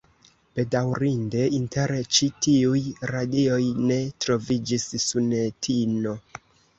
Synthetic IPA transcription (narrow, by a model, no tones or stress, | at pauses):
b̥e̞dawɾinde̞inte̞ɾt͡ʃitiujɾadio̞jne̞tɾo̞vid͡ʒisːunetʰino̞